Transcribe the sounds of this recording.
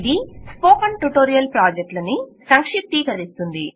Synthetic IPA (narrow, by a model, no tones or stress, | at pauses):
d̪ispoːkɐɳʈuʈoːɾijɐlpɾaːd͡ʒek̚ʈlɐnisɐŋkʂip̚t̪iːkɐɾist̪und̪i